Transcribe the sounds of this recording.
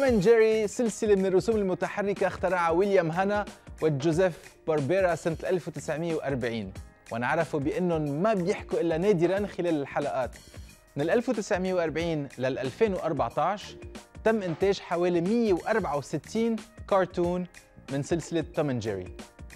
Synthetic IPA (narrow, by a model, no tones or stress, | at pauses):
mand͡ʒeɾisɪlsɪlemɪnɪrˤːʊsuːmɪlmʊt̪aħarˤːɪkaxt̪ɪɾˤɑːʕawɪljamɦanawɪd͡ʒozɛfbɑɾˤbeːɾasɪnt̪ʔalfwt̪ɪsʕmɪjːewʔɑɾˤbʕiːn | wʔanɪʕɾˤɑfubɪʔɪnːʊmabjɪħkuʔɪlːaneːd̪ɪɾanxɪleːlɪlħalaʔaːt̪ | mɪnɪlʔalfwt̪ɪsʕmɪjːewʔɑɾˤbʕiːnlalʔalfeːnwʔɑɾˤbɑʕt̪ɑʕʃt̪amːʔɪnt̪eːʒħaweːlimɪjːewʔɑɾˤbʕawsɪt̪ːiːnkɑːɾˤt̪uːnmɪnsɪlsɪlɪt̪ːomɪnd͡ʒ̰ɾḭ